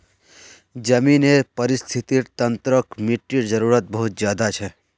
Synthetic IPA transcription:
d͡ʒəmiːnepəɾɪst̪ʰit̪iɾt̪ə̃nt̪ɾəkmiʈːiɾd͡ʒəɾuːɾət̪̚bəɦʊt̪̚d͡ʒjaːd̪at͡ʃʰɛ

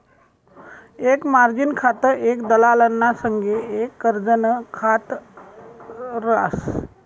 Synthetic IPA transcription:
ekmaɾd͡ʑinkʰat̪əɾekd̪əlalənːasəŋɡeekːəɾd͡zənkʰat̪ | ɾa̰s

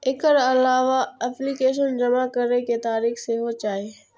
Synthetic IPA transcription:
ɪkəɾɐlaːʋaɛːplikeːʃ̬ənd͡ʒɐmakɐɾeket̪aːɾiːxseɦot͡ʃaːe

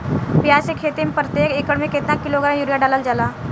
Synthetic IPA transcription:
pijasekʰet̪empɾət̪jekekəɽmeket̪nakːiloɡɾamjuɾjaɖalald͡zala

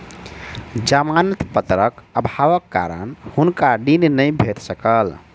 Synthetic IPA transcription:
d͡ʒamanət̪pət̪ɾəkəbʱaʋəkːa̰ɾə̰nhunkaɖinnəjbʱet̪səkəl

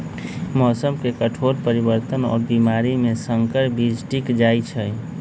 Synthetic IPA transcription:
mɔːsəmkekəʈʰoɾpəɾibəɾt̪ənɔ̰ːɾbimaɾimesəŋkəɾbid͡ʒʱʈikd͡ʒajt͡ʃʰə

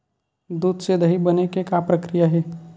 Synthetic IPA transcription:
d̪uːd̪sed̪əɦibɐnekekapɾəkɾijaɦɛː

